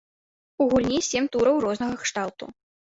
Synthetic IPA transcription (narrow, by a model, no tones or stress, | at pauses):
uɣulʲnʲisʲemʲt̪uɾɐwrɔznɐɣɐxʂt̪alˠt̪ṵ